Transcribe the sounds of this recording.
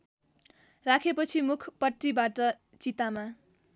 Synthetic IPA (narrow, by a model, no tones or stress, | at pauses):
rakʰepʌt͡sʰimukʰpʌʈːibaʈʌ | t͡sit̪ama